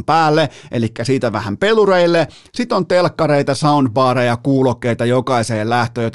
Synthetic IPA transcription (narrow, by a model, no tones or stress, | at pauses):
mpæːlːeʔelikːæsiːt̪æʋæhæmpelureilːe | sit̪ont̪elkːɑɾeit̪ɑsɑund̪̚bɑːɾejɑkuːlokːeit̪ɑjokɑiseːllæht̪øːjot̪